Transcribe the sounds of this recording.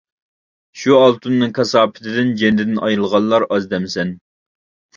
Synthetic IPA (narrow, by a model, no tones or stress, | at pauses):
ʃuɑlˠt̪ʰunːɨŋkʰɑsɑːpʰɪ̥t̪ʰɪd̪ɪnd͡ʒɛnd̪ɪd̪ɪnʔɑjɾɨlˠʁɑlˠːɑɾɑzd̪ɛmsɛn